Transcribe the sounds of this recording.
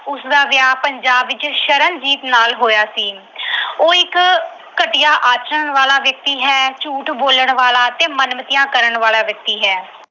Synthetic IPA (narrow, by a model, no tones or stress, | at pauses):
ʊsd̪aːʋjaːpəɲd͡ʒaːbʋɪt͡ʃʃəɾənd͡ʒiːt̪naːlɦoːjaːsiː | oːɪk | kːəʈɪjaːʔaːt͡ʃəɳʋaːlaːʋjək̚t̪iːɦɛːt͡ʃuːʈboːləɳʋaːlaːt̪eːmənmət̪ɪjãːkəɾəɳʋaːlaːʋjək̚t̪iːɦɛː